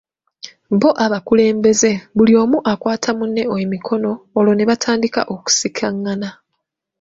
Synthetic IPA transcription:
βo̞ʔaβakule̞ːmbe̞ze̞βulio̞ːmuʔakwaːtʰamunːe̞oemikʰo̞no̞ːlo̞ne̞βatʰaːndika̰ʔoku̥sikʰaŋːana

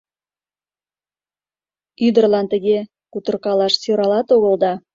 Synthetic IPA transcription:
yd̪ə̆rlˠɑnt̪ə̆ɣʲe | kut̪ə̆rqɑlɑʃsøɾɑlɑt̪oɣə̆lˠd̪ɑ

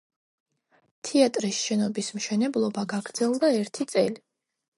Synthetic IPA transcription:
t̪ʰiat̪ʼɾisʃɛnɔbismʃɛnɛblˠɔbaɡaɡɾd̪zɛlˠd̪aɛɾt̪ʰit̪sʼɛli

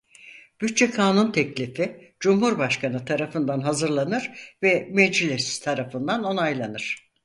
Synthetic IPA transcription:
b̥yt̪̚t͡ʃɛkʰaːnunt̪ʰɛclʲifid͡ʒumhuɾbaʃkʰanɯt̪ʰaɾafɯnd̪anɦazɯɾlˠanɯɾvɛmɛd͡ʒilʲesi̥z̥t̪ʰaɾafɯnd̪ano̞najlˠanɯɾ̥

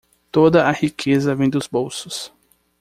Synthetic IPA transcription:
t̪od̪ɐahikʰezɐvẽj̃d̪ʊzbowsʊ̥s

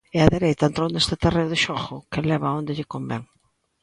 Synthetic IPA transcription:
ɛaðeɾejt̪aent̪ɾownest̪ɪt̪ereʊðɪʃɔxʊkelɛβaond̪ɪʎɪkombɛŋ

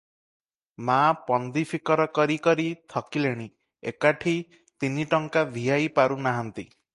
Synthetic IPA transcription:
mapɔnd̪ipʰikɔɾɔkɔɾikɔɾit̪ʰɔkileɽ̃i | ḛkaʈʰi | t̪iniʈɔŋkad̪ʱiɦajpaɾunaɦant̪i

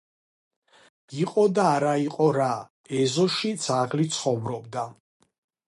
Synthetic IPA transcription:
iqʼɔd̪aːɾaiqʼɔɾa | ɛzɔʃit̪sʰaʁlit̪sʰχɔvɾɔbd̪a

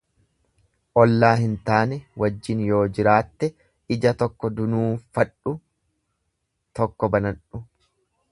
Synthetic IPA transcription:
ʔɔlːaːhɪnt̪aːnɛwɐd͡ʒːɪnjo̞ːd͡ʒɪɾaːt̪ːɛ | ɪd͡ʒɐt̪ɔkːɔd̪ʊnuːfɐᶑʊ | t̪ɔkːɔbɐnɐᶑʊ

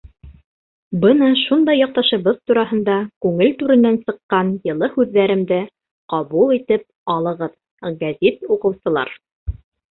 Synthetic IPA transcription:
bɤnɑʃund̪ɑjːɑq̚t̪ɑʃɤ̆βɤðt̪uɾɑɦɤ̆nd̪ɑkʉŋɘlt̪ʉɾɘ̆nːænsɤ̆qːɑnjɤ̆lˠɤhʉðːæɾɘ̆md̪ɘ | qɑβulˠit̪ɘp̚ɑlˠɤ̆ʁɤð | ɡæzit̪uqɤ̆wsɤ̆lˠɑ̰ɾ

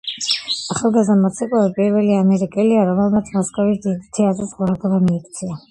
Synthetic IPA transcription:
aχalˠɡazd̪amɔt̪sʰɛkʼɔlipʼiɾvɛliamɛɾikʼɛliaɾɔmɛlˠmat̪sʰmɔskʼavisd̪id̪it̪ʰiazɛsʁwaɾd̪ɔbamiːkʰt̪sʰia

